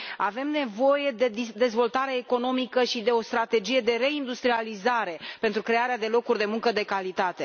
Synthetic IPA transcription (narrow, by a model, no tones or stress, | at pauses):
ave̞mne̞vo̞je̞d̪e̞id̪e̞zvo̞lt̪aɾe̞ːko̞no̞mikəʃid̪e̞o̞st̪ɾat̪e̞d͡ʒije̞d̪e̞ɾe̞ind̪ust̪ɾializaɾe̞pe̞nt̪ɾukɾe̞aɾead̪e̞lo̞kurʲd̪e̞muŋkəd̪e̞kalit̪at̪e̞